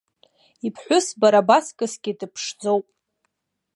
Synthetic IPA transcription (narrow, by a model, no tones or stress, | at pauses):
ipʰħʷʊsbaɾabaskʼɨsɡʲidɨpʰʂd͡zowpʼ